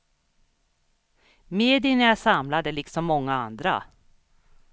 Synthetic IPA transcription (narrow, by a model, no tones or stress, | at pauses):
meːd̪ɪnæjasamlad̪əlɪksɔmːɔŋːaand̪ɾa̰